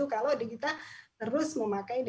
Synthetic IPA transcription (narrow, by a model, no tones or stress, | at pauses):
ukalodakit̪at̪əɾʊsməmakaid